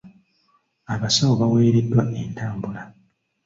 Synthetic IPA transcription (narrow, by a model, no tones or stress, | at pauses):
aβasawoβaweːɾedːwaʔe̞ntaːmbula